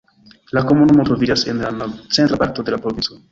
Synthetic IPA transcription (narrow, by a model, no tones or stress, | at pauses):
lakomunumotɾovid͡ʒase̞̰nlant͡se̞ntɾapaɾto̞d̪e̞lapɾovint͡so